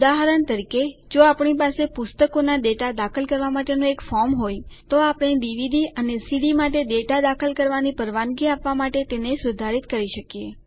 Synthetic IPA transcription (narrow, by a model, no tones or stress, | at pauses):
ʊd̪aɦəɾəɳt̪əɾiked͡ʒoapɳipasepʊst̪əkonad̪eʈad̪akʰəlkəɾʋamaʈenoekfɔɾmɦojt̪oapɳ̃idiʋid̪ʱiʔənesiɽimaʈed̪eʈad̪akʰəlkəɾʋanipəɾʋanɡiapʋamaʈet̪enesʊd̪ʱaɾit̪kəɾiʃəkje